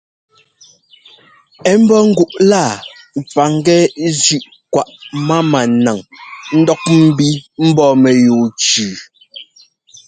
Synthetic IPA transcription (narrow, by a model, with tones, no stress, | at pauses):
ɛ˨˦m̩˦bɔ˦ŋ̩˦ɡu˦ʔla˦˨ | p͡fa˨ŋ˦ɡɛ˦zʉ˦ʔ | kwa˨ʔma˦ma˨na˨ŋn̩˦dɔ˦k̚m̩˦bi˦m̩˦bɔː˦˨mɛ˨joː˨t͡ʃʉː˨